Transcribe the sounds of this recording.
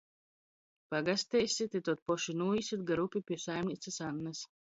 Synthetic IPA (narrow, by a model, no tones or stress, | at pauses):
paɡast̪ɛjsʲit̪ʲit̪ut̪̚pɔʃinuːjisʲit̪̚ɡaɾupʲipʲiɛsajmʲnʲit̪sɨsanːas